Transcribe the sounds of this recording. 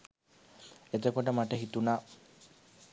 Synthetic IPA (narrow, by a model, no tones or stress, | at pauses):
et̪ekɔʈamaʈeɦit̪una